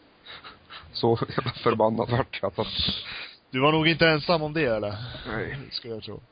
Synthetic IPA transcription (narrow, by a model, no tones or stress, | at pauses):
sɔɛafœɾbanːa̰d̪vaʈːjasat̪ː | d̪̥ɵvaɳuːɡɪnt̪əɛnsamːɔmd̪ɛɛlːəɾɛjskɵləjat̪ʰɾṵː